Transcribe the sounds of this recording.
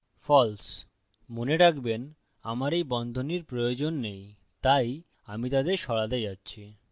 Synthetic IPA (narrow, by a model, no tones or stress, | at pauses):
fɔls | moneɾakʰben | amaɾejbɔnd̪ʱoniɾpɾojod͡ʑonːej | t̪aj | amit̪ad̪eɾʃɔɽad̪ed͡ʑatːɕʰi